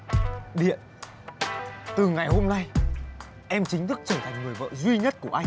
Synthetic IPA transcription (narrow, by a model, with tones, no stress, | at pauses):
ɗḭ˧˨ən | t̪ɨ˨˩ŋa˨˩jho˧mna˧j | ʔɛ˧mt͡ɕï˨˦ŋ̟t̪ʰɨ˦˥k̚t͡ɕəː˧˩t̪ʰa˨˩jŋ̟ŋɨ˨˩əjvə̰ː˧˨zwi˧ɲə˦˥t̚ku˧˩əʔa˧jŋ